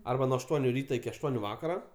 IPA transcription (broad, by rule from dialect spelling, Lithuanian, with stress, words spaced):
ˈɐrbɐ nuɔ ɐʃˈtuɔnʲʊ ˈrʲiːtɐ ɪkʲɪ ɐʃˈtuɔnʲʊ ˈʋɑːkɐrɐ